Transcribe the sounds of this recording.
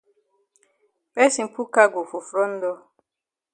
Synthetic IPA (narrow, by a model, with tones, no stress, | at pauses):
bɛ˦si˨m̩˨pu˦ka˦ɡo˨fo˨fɾɔ˦n̩˦dɔ˦